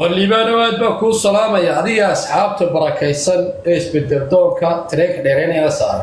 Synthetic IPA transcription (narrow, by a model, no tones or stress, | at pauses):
wɐliːβaːnɔaːd̪̚baːkʰuːsɐlaːmɐjɐːðɪɣɐːsħɑːb̚t̪ʰɐbɐɾɐkʰɛjsɐnɛːɪsbɛd̪ːɛld̪ɔːŋkʰɐt̪ʰɪɾɛkɖɛːɾɛnɛjnɐsaːɾɛ̰